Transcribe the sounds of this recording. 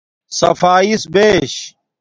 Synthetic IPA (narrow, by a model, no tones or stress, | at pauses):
sɐ̰faːisbeːɕ